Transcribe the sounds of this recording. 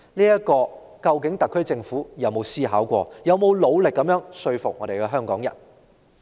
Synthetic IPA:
niː˥jɐ˥kɔː˧ | kɐ˧wkɪ˨˥ŋt̪ɐ˨˩kʰːɵ˥ɥt͡sɪ˧ŋfuː˨˥jɐ˨˧wmo˨˧wsiː˥ɦaː˨˥wkʷɔ̰ː˧jɐ˨˧wmo˨˧wlo˨˧wlɪ˨kːɐ˨˥mjœː˨˥ŋsɵ˧ɥfʊ˨k̚ŋɔ˨˧ɾe˨jkɛː˧ɦœː˥ŋkɔː˨˥ŋjɐ̰˨˩n

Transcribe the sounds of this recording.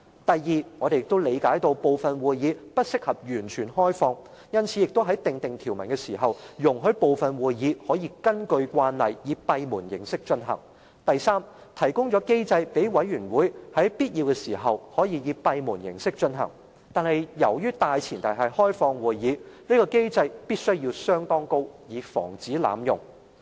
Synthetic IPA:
t̪ɐ˨jjiː˨˩ŋɔː˨˧d̪e˨jɪ˨k̚t̪o˥wle˨˧jkaː˨˥jt̪o˧wpo˨˧wfɐ˨nwuː˨jjiː˨˧pɐ˥t̚sɪ˥k̚hɐ˨p̚jyː˨˩nt͡ʃʰyː˨˩nhɔː˥jfɔː˧ŋ | jɐ˥nt͡sʰi˨˧jɪ˨k̚t̪o˥wɦɐ˨˥jt̪ɪ˨ŋt̪ɪ˨ŋt̪ʰiː˨˩wmɐ˨˩nkɛː˧siː˨˩ɦɐ˨wjʊ˨˩ŋɦɵ˧ɥpo˨˧wfɐ˨nwuː˨jjiː˨˧hɔː˨˥jiː˧kɐ˥nkɵ˧ɥkʷaː˧nlɐ˨jjiː˨˧pɐ˧jmuː˨˩njɪ̰˨˩ŋsɪ˥k̚t͡ʃɵ˧nɦɐ̰˨˩ŋ | t̪ɐ˨jsaː˥m | t̪ʰɐ˨˩jkʊ˥ŋt͡ʃɔː˨˥ke˥jt͡sɐ˧jpe˨˥jwɐ˨˥jɥyː˨˩nwuː˨˥jhɐ˨˥jpiː˥t̚jiː˧wkɛː˧siː˨˩ɦɐ˨whɔː˨˥jiː˧jiː˨˧pɐ˧jmuː˨˩njɪ̰˨˩ŋsɪ˥k̚t͡ʃɵ˧nɦɐ̰˨˩ŋ | t̪aː˨nhɐ˨jjɐ˨˩wjyː˥t̪aː˧jt͡sʰiː˨˩nt̪ɐ˨˩jɦɐ˨jhɔː˥jfɔː˧ŋwuː˨jːiː˨˧niː˥kɔː˧ke˥jt͡sɐ˧jpiː˥t̚sɵ˥ɥjiː˧wsœː˥ŋt̪ɔː˥ŋko˥wjiː˨˧fɔ̰ː˨˩ŋt͡siː˨˥la̰ː˨mjʊ̰˨˩ŋ

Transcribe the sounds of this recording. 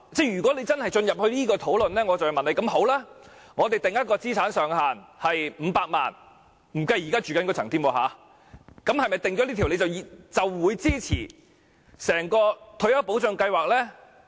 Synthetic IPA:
t͡sɛ˥˩jyː˨˩kʷwɔː˨˥le˨˧jt͡sɐ˥nhɐ˨jt͡ʃɵ˧njɐ˨p̚hɵ˧liː˥kɔː˧t̪ʰo˨˥wlɵ˨nlɛː˥ŋɔː˨˧t͡sɐ˨wmɐ˨nle˨˧jkɐ˧˥mho˨˥wlaː˥ŋɔː˨˧t̪e˨jt̪ɪ˨ŋjɐ˥t̚kɔː˧t͡siː˥t͡sʰaː˨˥nsœː˨˧ŋhaː˨˩nhɐ˨jm̩ː˨˧paː˧k̚ma̰ː˨n | m̩˨˩kɐ˧ji˨kaː˥t͡ʃyː˨kɐ˨˥nkɔ˧t͡sʰɐ˨˩ŋt̪ʰiː˥˩mwɔː˧ɦa̰ː˨˥ | kɐ˨˥mhɐ˨jmɐ˨˩jt̪ɪ˨ŋt͡ʃɔː˨˥liː˥t̪ʰi˨˩le˨˧t͡sɐ˨wt͡sɐ˨wːuː˨˧jt͡siː˥t͡sʰḭː˨˩ | sɛː˨˩ŋkɔː˧t̪ʰɵ˧˥ɥjɐ˥wpo˨˥wt͡sɵ˨˧ŋkɐ˧jwaː˨k̚lɛː˥

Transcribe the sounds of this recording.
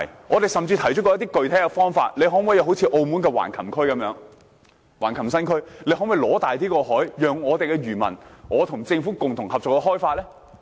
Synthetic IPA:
jŋɔː˨˧t̪e˨jsɐ˨mt͡siː˧t̪ʰɐ˨˩jt͡ʃɵ˥kɔː˧jɐ˥t̪̬iː˥kɵ˨ɥt̪ʰɛː˨˥jkɛ˧fɔː˥ŋfa̰ː˧t̚le˨˧jɦɔː˨˥wjɐ˨˧wɦwt͡sʰiː˧ʔo˧wmuː˨˥nkɛː˧wa̰ː˨˩nkʰɐ˨˩mkʰɵ˥ɥkɐ˨˧˥mjœː˨˧˥ŋ | waː˨˩nkʰɐ˨˩msɐ˥nkʰɵ˥ɥle˨˥jɦɔː˨˥nwjlɔː˨˥t̪aː˨jt̪̬iː˥kɔː˧hɔː˨˥jːœː˨ŋɔː˨˧t̪e˨jkɛ˧ɥyː˨˩mɐ̰˨˩nŋɔː˨˧t̪ʰʊ˨˩ŋt͡sɪ˧ŋfuː˨˥kʊ˨ŋt̪ʰʊ˨˩ŋhɐ˨p̚t͡sɔː˨kːɛ˧ɦɔː˥jfaː˧t̚lɛː˥

